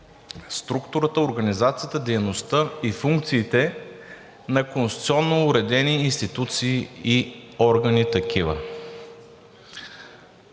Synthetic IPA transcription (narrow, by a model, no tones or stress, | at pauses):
st̪ɾukt̪ʊɾət̪əoɾɡɐnizat̪sijət̪əd̪ɛjnost̪əifuŋkt̪siːt̪ɛ | nɐkonsit̪sʲɔnːoːɾɛd̪ɛniːnst̪it̪ut̪siːiɔɾɡɐnit̪ɐkivə̰